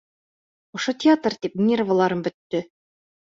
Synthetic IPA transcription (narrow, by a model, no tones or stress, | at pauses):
ŏʃot̪ʲɪat̪rt̪ip̚nʲervəlˠɑɾɤmbɵ̆t̪ːɵ